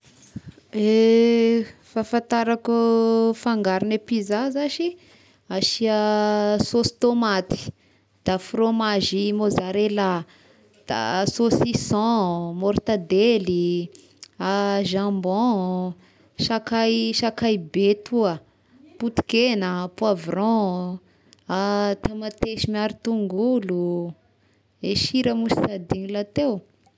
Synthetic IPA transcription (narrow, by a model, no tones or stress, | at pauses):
e | fafãnt̪aɾakufaŋɡaɾinepizazaʃi | aʃiasost̪omat̪i̥ | d̪̥afromaʒimozaɾela | d̪̥a̰asosisɔ̃moɾt̪ad̪eli | aʒãmbɔ̃ | ʃakajʃakajbet̪ʰuə | put̪i̥kenəpwavrɔ̃ | at̪emat̪eʃimiaɾit̪uŋɡulu | eʃiɾəmuʃi̥sad̪iɲilat̪ew